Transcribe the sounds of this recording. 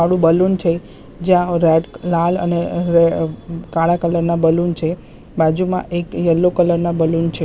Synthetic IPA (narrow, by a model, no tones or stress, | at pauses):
aɽũbəlunt͡ʃʰe | d͡ʒjãɾɛʈlalə̰neɾekãɭakələɾnabəlunt͡ʃʰe | bad͡ʒumã̰ʔekjəlːokələɾnabəlunt͡ʃʰe